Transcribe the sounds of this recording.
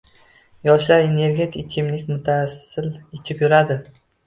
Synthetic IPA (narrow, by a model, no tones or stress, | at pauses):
jɒʃlaɾene̞ɾɡʲe̞t̪ʰɪkʲʰɪmlɪkʲmʊt̪ʰasɪlet͡ʃʲʰɪpjʊɾad̪ɪ